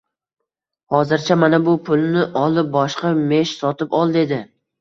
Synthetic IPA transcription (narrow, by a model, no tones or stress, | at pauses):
hɒzɪɾt͡ʃʰamanabʊpʰʊlˠnɪʔɒlˠɪp̚bɒʃqɑme̞ʃsɒt̪ʰɪpɒlˠd̪ed̪ɪ